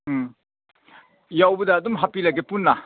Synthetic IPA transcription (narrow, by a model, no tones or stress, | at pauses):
jawbɐdɐːdumɦapilaɡepunːa